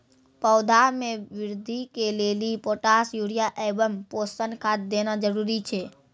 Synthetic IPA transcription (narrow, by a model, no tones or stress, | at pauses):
pəʊd̪ʱamẽʋɪɾd̪ʱikeleːlipoːʈaːsjuːɽijaʔɛbəmpoːstənkʰat̪̚d̪enad͡ʒəɾuːɾit͡ʃʰeː